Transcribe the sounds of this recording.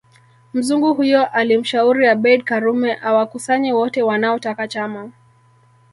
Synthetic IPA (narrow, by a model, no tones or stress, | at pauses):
m̩zuŋɡuhujɔʔalim̩ʃauɾiaɓɛd̚kaɾumɛʔawakusaɲɛwɔtɛwanaɔtakat͡ʃama